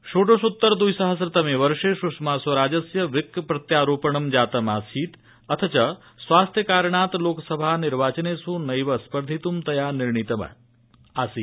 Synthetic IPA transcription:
ʃoːʈoʃut̪ːəɾd̪ujsəɦəs̬ɾɪt̪ɐmeʋəɾʂeʃʊʂmasʋɐɾaːd͡ʒɐsjɐʋɪkːpɾɐt̪jaːɾuːpəɳ̃ɐmd͡ʒaːt̪ɐmaːsiːt̪ | ɐt̪ʰət͡ʃɐ | sʋaːst̪ʰjəkaːɾɳaːt̪loːksəbʱanɪɾʋaːt͡ʃənesũnɐjʋɐspəɾd̪ʱit̪umt̪ɐjanɪɾɳit̪ɐmɐ̰ | asiː

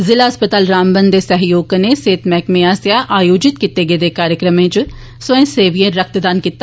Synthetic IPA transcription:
zɪlaːspət̪aːlɾaːmbənd̪eːsəɦjoːɡneːseːt̪mɛːkmeːaːsjaːʔaːjoːd͡ʒɪt̪̚kit̪eːɡeːd̪eːkaːɾjəkɾəmẽːt͡ʃ | səẽːseːʋiẽːɾək̚ʰt̪d̪aːnkit̪ːa

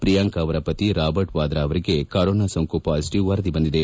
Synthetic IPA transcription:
pɾijaŋkaːʋɐɾɐpɐt̪iɾaːbɐɾʈʋaːd̪ɾaːʋɐɾiɡekɐɾoːnasɐŋkoːpɐɐsʈiʋɐɾɐd̪ibɐnd̪id̪e

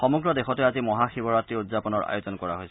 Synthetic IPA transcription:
xɔmɔɡɹɔdexɔtɛazimɔɦaxibɔɹatɹiudzapɔnɔɹa̰jozɔnkɔɹa̰ɦojsɛ

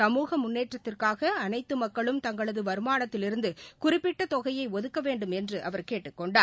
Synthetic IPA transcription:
sɐmuːɣɐmːʊnːeːʈrɐt̪ːɪrkaːɣɐːnɐɪt̪ːɯmɐkːɐɭɯmt̪ɐŋɡɐɭɐðɯʋɐɾɯmaːnɐt̪ːɪlɪɾɯnd̪ɯkʊrɪpːɪʈːɐt̪ɔɣɐjɐɪɔðɯkːɐʋeːɳɖɯmɛndrɯʔɐ̰ʋɐɾkeːʈːɯkːɔɳɖaː

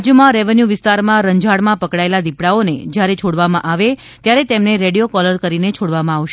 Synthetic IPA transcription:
d͡ʒəmãɾeʋənjuʋɪst̪aɾmãɾəɲd͡ʒaɽmãpəkɽaelad̪ipɽaonḛd͡ʒjaɾet͡ʃʰoɽʋamãʔaʋe | t̪jaɾet̪emneɾeɽijokɔləɾkəɾinet͡ʃʰoɽʋamãaʋʃe

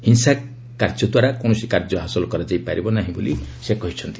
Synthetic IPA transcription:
hinsa | kaɾd͡ʒɔd̪waɾakoɳ̃ɔsikaɾd͡ʒɔɦasɔlɔkɔɾad͡ʒajpaɾibɔnaɦĩbolisekɔɦit͡ʃʰɔnt̪i

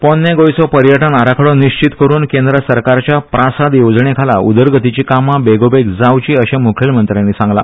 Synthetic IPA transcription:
pɔnːeɡojsɔpəɾjəʈənaɾakʰɽɔniɕt͡ɕit̪kəɾuːnkẽnd̪ɾəsəɾkaɾt͡ɕjapɾasad̪jod͡zɳ̃ekʰalaṵd̪əɾɡət̪it͡ɕiːkamabeɡobeɡd͡zaʋt͡ɕiːəɕẽmukʰelmənt̪ɾjanːisãŋɡla

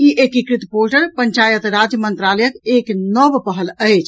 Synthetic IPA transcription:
iʔekikɾit̪polʈəɾpəɲt͡ʃajət̪ɾad͡ʒjəmənt̪ɾaləjəkeknɔbpəɦələjt͡ʃʰ

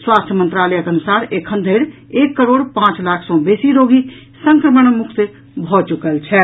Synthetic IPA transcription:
swaːst̪ʰjəmə̃nt̪ɾaːləjəkənusaːɾekʰə̃nd̪ʱeɽ | eːkːəɾoːɽpãːt͡ʃlaːkʰsɔ̃beːsiɾoɡʱi | səŋkɾəməɳ̃mʊkʰt̪ | bʱɔːt͡ʃukəlt͡ʃʰɛ

